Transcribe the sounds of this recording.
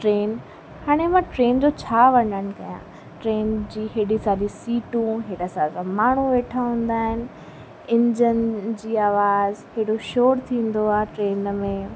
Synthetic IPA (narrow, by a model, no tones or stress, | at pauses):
ʈɾeːn | haːɽ̃emãːʈɾeːnd͡ʑot͡ɕʰaːʋɐɲəɽ̃ɪ̆kɐjã̰ | ʈɾeːnd͡ʑiːɦeːɽisaːɗisiːʈũɦeːɽəsaːsãmaːɳ̤̃uʋeːʈʰaɦũːn̆d̪aːɦɪnɪ̆ | ɪ̃ɲd͡ʑənd͡ʑiːaːʋaːzɦeːɽoʃoːɾt̪ʰĩːn̆d̪oaːɦeʈɾeːnmẽ